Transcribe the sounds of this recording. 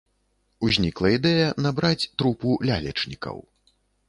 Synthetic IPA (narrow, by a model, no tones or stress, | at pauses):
uzʲnʲiklˠɐid̪ɛjɐnabɾat͡sʲt̪ɾupulʲa̰lʲɛ̰t͡ʂnʲikɐ̰w